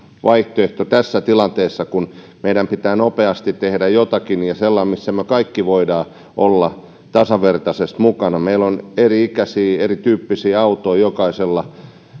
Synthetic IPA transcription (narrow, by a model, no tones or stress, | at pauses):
ʋʔɑiht̪oeht̪ot̪æsːæt̪ilɑnt̪eːsːɑkun | meidæmpit̪æːnopeɑst̪it̪t̪ehdæjjot̪ɑkinjɑselːɑmisːæmøkɑikːiʋoidɑː | ʔolːɑ | t̪ɑsɑʋert̪ɑsest̪mukɑnɑmeiloneriikæsiːerit̪yːpːisiːɑut̪oijokɑiselːɑ